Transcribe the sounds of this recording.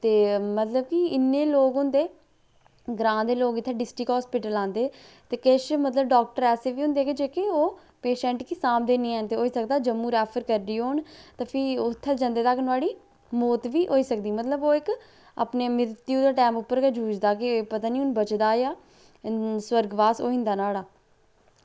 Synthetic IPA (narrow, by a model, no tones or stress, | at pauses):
t̪eːmət̪ləb̚kiɪnːeːloːɡɦʊnd̪eː | ɡɾãːd̪eːloːkɪt̪ʰːɛːɖɪsʈɾɪkɦɔːspɪːʈəlãːnd̪eːt̪eːkeʃmət̪ləb̚ɖɔːk̚ʈəɾɛːseːʋiːɦʊ̃nd̪eɛːked͡ʒeːkeoː | peːʃɛ̃ːɳʈkisaːbd̪eːnĩːɛ̃ːnt̪eːɦoːiːsəkd̪aːd͡ʒəmːuːɾɛːpʰəɾkəɾdiːoːɳt̪aːpʰɪːʊt̪ʰːɛːd͡ʒə̃nd̪eːt̪aːknʋaːɽiː | moːt̪ʋiːʔoːiːsəkd̪iːmət̪ləboːɪk | a̰ːpneːmɪɾt̪ijũːd̪aːʈɛːmʊpːəɾked͡ʒuːd͡ʒd̪aːkɪpət̪aːniːʊnbət͡ʃd̪aːjaː | sʋəɾɡʋaːso̰ːɦɪ̃nd̪aːnaːɭaː